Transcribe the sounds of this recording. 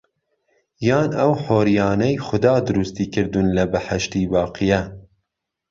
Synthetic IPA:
jɑːnɐwħoːɾijɑːnɛjxʊd̪ɑːd̪ʊɾust̪iːkɨɾd̪unlɐbɨħaʃt̪iːbɑːqɨjɛ

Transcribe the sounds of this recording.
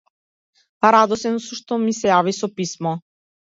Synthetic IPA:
paɾad̪ɔsɛnsuʃt̪ɔmisɛjavisɔpismɔ

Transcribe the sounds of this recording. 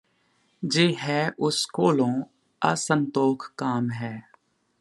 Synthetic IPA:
d͡ʒeːɦɛːʔʊskoːlõː | ɐ̰sə̃nt̪oːkʰkaːmɦɛː

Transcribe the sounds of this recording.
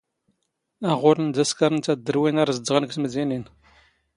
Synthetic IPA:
æʁʊɾənd̪æskaɾənt͡sæd̪ːəɾwinaɾzədːʁənɡsməzinin

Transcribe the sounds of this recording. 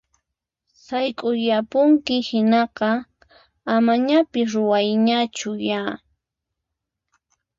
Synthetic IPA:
sajkʼʊjapʊŋkɪhɪnɑqɑ | amaɲapɪsɾʊwajɲat͡ʃʊja

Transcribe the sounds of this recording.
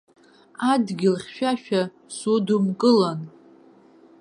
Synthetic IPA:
adɡʲɪlχʲʃᶣaʃᶣa | sudumkʼɨlan

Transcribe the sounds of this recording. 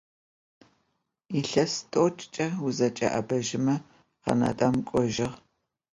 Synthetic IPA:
iɬɐstʼot͡ʃʼt͡ʃʼɐʊzɐt͡ʃʼɐ̰ʔɐbɐʒɪmɐ | qɐ̰nɐ̰tʼɐmkʷʼɔʒɪʁ

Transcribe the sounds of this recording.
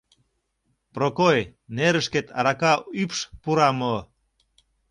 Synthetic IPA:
prokojneɾəʃket̪ɑ̰ɾɑkɑypʃpuɾɑmo

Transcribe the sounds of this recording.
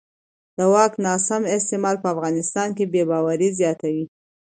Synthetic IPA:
d̪̥əwɑknɑsamɪst̪ɪmɑlpəafɣɑnɪst̪ɑnkebebɑwaɾizjɑt̪awi

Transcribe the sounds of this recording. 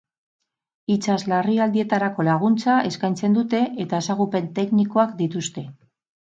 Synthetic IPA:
it͡ʃazlariald̪ie̞t̪aɾako̞laɣ̞unt͡sae̞skajnt͡se̞nd̪ut̪e̞ʔet̪ae̞saɣupe̞nt̪e̞kniko̞akd̪it̪ust̪e̞

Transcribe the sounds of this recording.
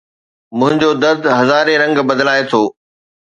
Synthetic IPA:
mʊ̃ɦɪ̃ɲd͡ʑod̪ɐɾd̪ɦɐzaːɾeɾɐ̃ŋɡbɐd̪laːet̪ʰoː

